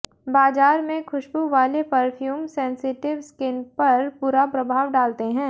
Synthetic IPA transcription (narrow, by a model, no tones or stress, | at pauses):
baːzaːɾmẽkʰʊʃbʱuʋaːlepɐɾfʰjuːmsɛ̃ːnsɪʈɪʋskɪnpɐɾpʊɾapɾɐbʱaːʋɖaːlt̪eɦɛ̃ː